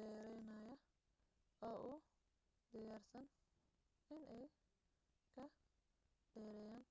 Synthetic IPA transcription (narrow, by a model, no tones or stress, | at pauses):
dɛːɾɛjnɐjɐ | ɔːʔʊ | d̪ɪjaːrsɐn | ɪnɛj | kʰɐ | d̪̥ɛːɾɛjaːn